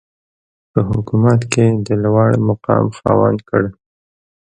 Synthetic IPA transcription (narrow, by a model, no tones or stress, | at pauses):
pəɦʊkumat̪ked̪əlwɑɽmaqɑ̰mxɑwankəɽ